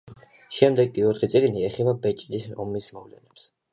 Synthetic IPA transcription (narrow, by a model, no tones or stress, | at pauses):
ʃɛmd̪ɛɡʼiɔt̪ʰχit̪sʼiɡniɛχɛbabɛt͡ʃʼd̪isɔ̰mismɔvlɛ̰nɛps